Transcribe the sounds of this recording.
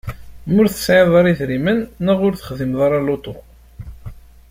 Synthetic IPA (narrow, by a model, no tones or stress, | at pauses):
mʊɾθə̥sʕeðˤɑɾˤiθɾimənːəʁʊɾθə̥χðimðˤɑɾˤɑlot̪ˤo